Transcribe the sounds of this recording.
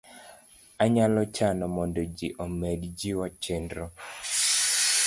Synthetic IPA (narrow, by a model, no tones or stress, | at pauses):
aɲalɔt͡ʃanɔmɔndɔd͡ʒiʔɔmɛdd͡ʒiwat͡ʃendɾɔ